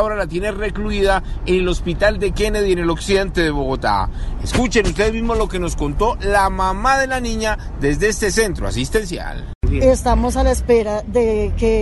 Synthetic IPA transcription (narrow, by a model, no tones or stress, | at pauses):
o̞ɾalat̪je̞nere̞kluiðaenelo̞spit̪ald̪e̞ke̞neðiene̞lo̞ksiðe̞nt̪e̞ðe̞βo̞ɣo̞t̪a̰eskut͡ʃe̞nust̪eðezmizmo̞zlo̞ke̞no̞sko̞nt̪o̞lamamaðe̞lanĩɲad̪e̞zd̪eest̪e̞se̞nt̪ɾoa̰sist̪e̞nsja̰l | est̪amosalaespeɾaðeke